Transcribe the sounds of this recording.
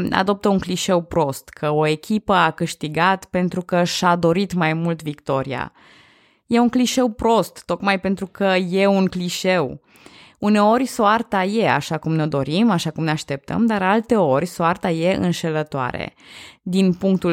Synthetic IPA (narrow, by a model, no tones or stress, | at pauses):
a̰d̪o̞p̚t̪əuŋkliʃe̞wpɾo̞st̪kʰəo̞e̞kʲipəakɨʃt̪iɡat̪pe̞nt̪ɾukəʃad̪o̞ɾit̪majmult̪vikt̪o̞ɾia̰ | je̞uŋkliʃe̞wpɾo̞st̪ːo̞kmajpe̞nt̪ɾukəje̞uŋkliʃe̞w | une̞o̞rʲsoart̪aje̞a̰ʃakumneod̪o̞ɾimaʃakumneaʃt̪e̞p̚t̪ə̰md̪aɾalt̪e̞o̞rʲsoart̪aje̞ɨ̰nʃe̞lət̪oa̰ɾḛd̪inpuŋk̚t̪u